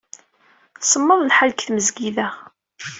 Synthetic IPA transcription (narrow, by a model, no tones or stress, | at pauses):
səmːəðˤlħalkθməzɡiðæʁ